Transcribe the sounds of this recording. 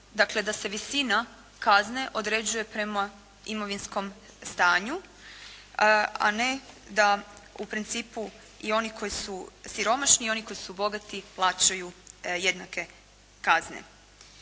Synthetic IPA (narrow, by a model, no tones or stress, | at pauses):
d̪akle̞d̪ase̞ʋisina | kazne̞ʔo̞d̪ɾe̞d͡ʑuje̞pɾe̞ma | imo̞ʋinsko̞m | st̪aːɲu | a̰ne̞d̪aupɾint̪siːpu | io̞niko̞jisusiɾo̞maʃniio̞niko̞jisubo̞ɡat̪iplˠaːt͡ʃajuje̞d̪nake̞ | kaznḛ